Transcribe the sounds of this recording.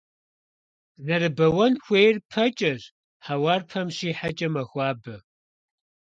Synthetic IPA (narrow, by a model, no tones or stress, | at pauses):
nɐrɨbɐwɐnxʷeːjrpʰɐt͡ʃʼɐʑ | ħawaːrpʰɐmɕiːħat͡ʃʼɐmɐxʷɑːbɐ